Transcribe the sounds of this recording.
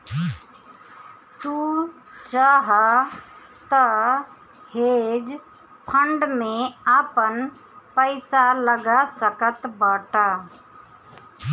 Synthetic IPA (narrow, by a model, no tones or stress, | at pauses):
t̪u | t͡ʃaːɦa | t̪ə | heːd͡ʒ | pʰə̃ɳɖmẽaːpən | pəɪsaləɡasəkət̪baːʈa